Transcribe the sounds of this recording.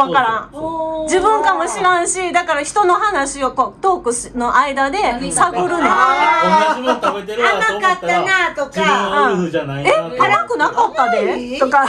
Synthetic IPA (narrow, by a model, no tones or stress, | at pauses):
βakaɾãd͡ʑibɯ̟̃ŋkamo̞ɕiɾãɰ̃ɕid̪akaɾaçi̥t̪o̞no̞hanaɕiokot̪o̞ːkɯ̟ɕino̞ʔaid̪ad̪e̞saɡoɾɯ̟na | t̪et̪eɾanakat̪ːanat̪okãanaeaɾakɯ̟nakat̪ːad̪et̪oka